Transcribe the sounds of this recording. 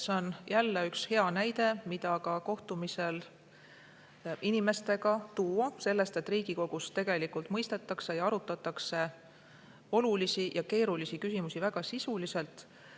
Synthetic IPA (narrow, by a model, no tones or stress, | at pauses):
seonjælːeykshe̞ɑnæjd̪e̞mid̪ɑkɑko̞ht̪umise̞l | inime̞st̪e̞ɡɑt̪uːɑse̞lːe̞st̪e̞t̪ːˑriːɡ̥iko̞ɡ̥ust̪e̞ɡ̥e̞likult̪mɤjst̪e̞t̪ːˑɑkse̞jɑɑɾut̪ːˑɑt̪ːˑɑkse̞ | o̞lulisijɑke̞ːɾulisikysimusivæɡ̥ɑsisulise̞lt̪ˑ